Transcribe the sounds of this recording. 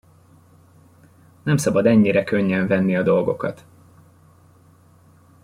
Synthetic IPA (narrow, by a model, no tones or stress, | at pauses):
nɛmsɒbɒd̪ɛɲːiɾɛkøɲːɛɱvɛnːiɒd̪o̞lɡo̞kɒ̰t̪